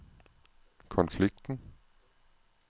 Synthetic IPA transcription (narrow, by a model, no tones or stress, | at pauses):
kʰɒ̽nfliɡ̥̚d̥n̩